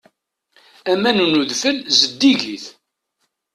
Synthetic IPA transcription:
æmænunuðfəlzəd̪ːiʝiθ

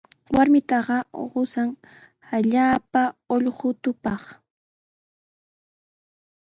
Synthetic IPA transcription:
waɾmɪt̪ɑɢɑɢʊsaŋ | aʎaːpaoʎɢʊt̪ʊpɑχ

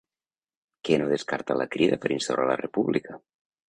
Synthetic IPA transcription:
kenoðeskaɾt̪alakɾiðapəɾinst̪awɾʔalarepuβlika

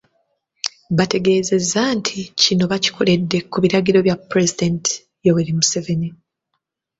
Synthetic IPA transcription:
βate̞ɡe̞ːze̞zantʰicino̞βaci̥kʰo̞le̞dːe̞kuβiɾaɡiɾo̞βjapɾezid̪enti̥ | joweɾimuse̞veni

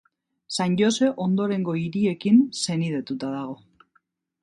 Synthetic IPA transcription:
sanʎo̞se̞ʔo̞nd̪o̞ɾe̞ŋɡo̞iɾie̞kinse̞nið̞e̞t̪ut̪aðaɣ̞o̞

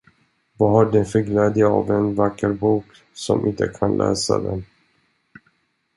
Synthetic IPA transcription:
vaɦaɖɛnfœɾɡlɛːd̪jaavɛnvakːəɾbuːk | sɔmʔɪnt̪əkʰanlʔɛ̰ːsa̰d̪ɛn

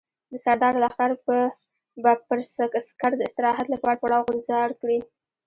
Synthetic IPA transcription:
d̪əsaɾd̪ɑɾalaxt̪aɾpə | bapəɾsakaskaɾd̪əɪst̪ɪɾɑɦat̪lapɑaɽpaɽɑwɣʊnzɑɽkɽi

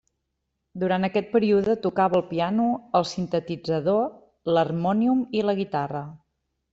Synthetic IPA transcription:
d̪uɾant̪əkɛt̪̚pəɾiuðət̪ukaβəːlˠpianuəlˠsint̪ət̪id͡zəðo | lərmɔniumiləɣit̪arə

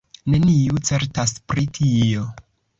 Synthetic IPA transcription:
ne̞niut͡se̞ɾtaspɾitʰio̞

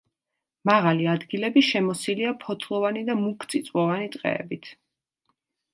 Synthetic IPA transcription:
maʁaliad̪ɡilɛbiʃɛmɔsiliapʰɔt̪ʰlˠɔvanid̪amukʰt̪sʰʼit̪sʼwɔvanit̪ʼqʼɛ̰ːbit̪ʰ

